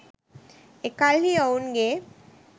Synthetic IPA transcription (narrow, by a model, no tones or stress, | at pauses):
ekalɦiawnɡe